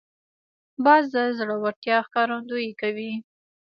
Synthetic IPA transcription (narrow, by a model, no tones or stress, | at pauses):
bɑzd̪əzɽəwaɾt̪jɑxkɑɾand̪ojekawi